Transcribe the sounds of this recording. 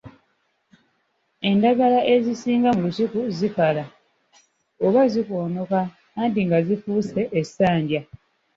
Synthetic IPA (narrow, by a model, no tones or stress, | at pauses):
e̞ndaɡalaʔe̞zisiːŋɡamulusikuzikala | oβaziko̞ːno̞kaː | ndiŋɡazifuːse̞ʔːsaːɲɟja